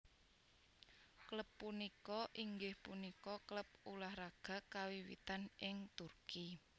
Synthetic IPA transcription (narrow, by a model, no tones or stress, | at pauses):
kləpːunikɔʔiŋɡɪhpunikɔkləp̚ulahraɡ̥ä̤kawiwḭt̪anʔɪŋt̪urki